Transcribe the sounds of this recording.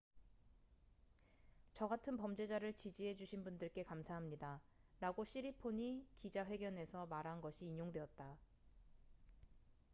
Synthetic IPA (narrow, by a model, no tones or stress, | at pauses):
t͡ɕʌɡatʰɯnpʌmd͡ʑe̞d͡ʑaɾɯɭt͡ɕid͡ʑiɦe̞d͡ʑuɕʰinbundɯɭk͈e̞kamsʰaɦamɲidaɾaɡoɕʰiɾipʰoɲikid͡ʑaɸwe̞ɡjʌne̞sʰʌmaɾɦanɡʌɕʰiːɲoŋdwe̞ʌt̚t͈a